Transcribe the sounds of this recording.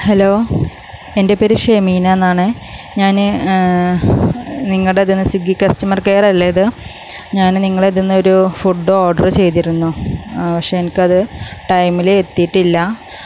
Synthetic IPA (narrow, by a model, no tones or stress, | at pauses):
heloː | e̞nde̞peɾiʂeːmiːnɐenːaːɳɨ | ɲaːnɨ | niŋːɐɭɽeðinːɨsuɡikʲːɐstumɐrke̞ːrɐlːejɐðɨ | ɲaːnniŋːɐɭeðinːɐo̞ɾufuɖooːɖɐrt͡ɕe̞jt̪̬iɾunːupɐkʂeenikʲːɨɐðɨʈɐjmileːt̪ːijiʈːilːɐ